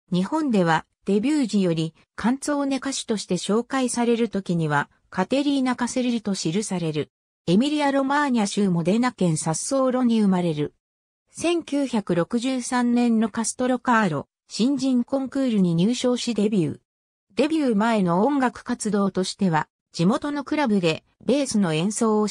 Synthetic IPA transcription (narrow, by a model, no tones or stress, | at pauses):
ɲ̟ihõ̞nd̪e̞β̞a | d̪̥e̞bʲɨːʑijo̞ɾʲi | kʰãnt͡so̞ːne̞kaɕi̥t̪o̞ɕi̥t̪e̞ɕo̞ːkaisaɾe̞ɾɯ̟t̪o̞kʲiɲ̟iβ̞a | kat̪e̞ɾʲiːnakaseɾiɾʲɯt̪o̞ɕiɾɯ̟saɾe̞ɾɯ̟ | e̞mʲiɾʲiaɾo̞maɲ̟iaɕɨːmo̞d̪e̞nakẽ̞ɰ̃sasːo̞ːɾo̞ɲ̟iɯ̟maɾe̞ɾɯ̟ | sẽ̞ŋkʲɨːçakɯ̟ɾo̞kɯ̟ʑɨːsãnnẽ̞nːo̞kasɨ̥t̪o̞ɾo̞kaːɾo̞̰ | ɕĩɲ̟d͡ʑĩŋkõ̞ŋkɯːɾɯ̟ɲ̟iɲ̟ɨːɕo̞ːɕid̪e̞bʲjɨː | d̪e̞bʲjɯːmae̞no̞õŋɡakɯ̟̥kat͡sɨd̪o̞ːt̪o̞ɕi̥t̪e̞βa | d͡ʑ̥imo̞t̪o̞no̞kɯ̟ɾabɯ̟d̪e̞ | be̞ːsɨno̞ẽ̞ɰ̃so̞ːo